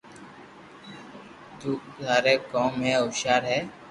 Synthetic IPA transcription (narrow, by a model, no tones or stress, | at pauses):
d͡ʒ̪uːsaːɾeːkoːmɦẽːoːʃaːɾɦɛː